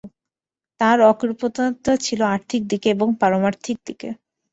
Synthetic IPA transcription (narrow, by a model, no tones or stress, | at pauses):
t̪aɾɔkiɾpot̪at̪at͡ɕʰiloaɾt̪ʰik̚d̪ikeeboŋpaɾomaɾt̪ʰik̚d̪ikḛ